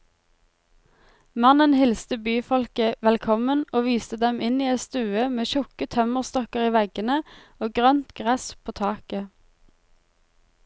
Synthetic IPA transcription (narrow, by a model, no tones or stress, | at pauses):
mɑnənhɪlst̪əbyːfɔlkəʋɛlkʰɔmənoːʋiːst̪əd̪ɛmɪniːɛt̪st̪ʉːəmeːʃʊkət̪ʰœməʁst̪ɔkəʁiːʋɛɡənəoːɡʁœnt̪ɡʁɛspʰoːt̪ʰɑːkə